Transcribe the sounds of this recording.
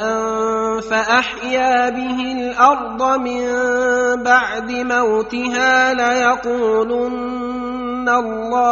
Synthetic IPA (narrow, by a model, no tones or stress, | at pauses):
faʔaħjaːbɪɦɪlʔɑɾˤd̪ˤɑmɪmbaʕd̪ɪmawt̪ɪɦaːlajɑquːlʊnː | alːɑː